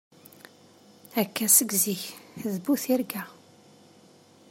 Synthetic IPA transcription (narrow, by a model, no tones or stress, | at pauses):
ækːæsəɡziçðbuθiɾɡæ